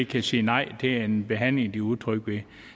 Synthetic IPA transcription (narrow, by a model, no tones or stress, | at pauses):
ɡ̥kʰæsḭːnɑ̈ɪ̰d̥e̝æɐe̝nb̥e̝ɦæn̰leŋd̥iuðˠt͡sʰʁœɡ̥ʋe̝